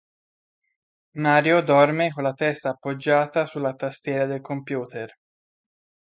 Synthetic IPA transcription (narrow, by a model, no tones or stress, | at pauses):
maːɾjod̪ɔrmekolːat̪ɛst̪aːpːod͡ʒːaːt̪asulːat̪ast̪jɛːɾad̪elkompjuːt̪er